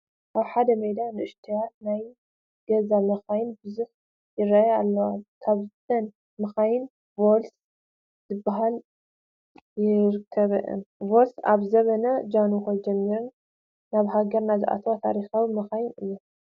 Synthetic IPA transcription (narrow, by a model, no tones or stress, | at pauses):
ʔaβħad̪ɐmed̪anɨʔɨʃt̪ʰijat̪̚naj | ɡ̥ɐzamɐxajɪnbɨzuħ | jɪɾajalːɐwakʰaβzɨt̪ʰɐn | mɐxajɪn | vols | zɨbaɦal | jɪɾɨkʰːɐβɐ̰ʔɨ̰mvolsa̰βzɐβɐnɐd͡ʒanuxod͡ʒɛmːiɾun | naβɦaɡɐɾnazɨʔa̰t̪ʰɐwat̪ʰa̰ɾixawimɐxajɪnɨjːu